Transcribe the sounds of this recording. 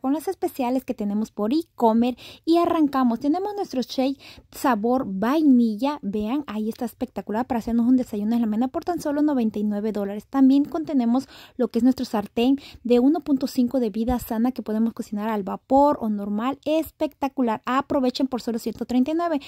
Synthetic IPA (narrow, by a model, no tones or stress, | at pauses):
konlase̞spe̞sjale̞ske̞t̪e̞ne̞mo̞spo̞ɾiko̞me̞ɾiaraŋkamo̞st̪e̞ne̞mo̞znwe̞st̪ɾot͡ʃejsaβo̞ɾbajniʝabe̞aŋaie̞st̪aespe̞k̚t̪akulaɾpaɾaːse̞ɾnosund̪e̞saʝunoelamenapo̞ɾt̪anso̞lo̞no̞βe̞nt̪ajnwe̞βe̞ðo̞laɾe̞st̪ambje̞ŋko̞nt̪e̞ne̞mo̞slo̞kees̬nwe̞st̪ɾo̞saɾt̪e̞ŋd̪e̞uno̞punt̪o̞siŋko̞ðe̞βiðasanake̞po̞ð̞e̞mo̞skosinaɾalβapo̞ɾo̞no̞ɾmalespe̞k̚t̪akulaɾapɾo̞βet͡ʃempo̞ɾso̞lo̞sjent̪ot̪ɾent̪ajnwe̞βe̞